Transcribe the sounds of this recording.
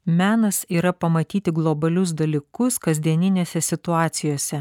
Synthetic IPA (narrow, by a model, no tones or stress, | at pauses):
mʲæːnɐsiːɾɐpɐmɐt̪ʲiːt̪ʲɪɡlˠɔbɐlʲʊs̬d̪ɐlʲiːkʊskɐzʲd̪ʲiɛnʲɪnʲeːsʲɛsʲɪt̪ʊɑːt̪sʲɪjoːsʲɛ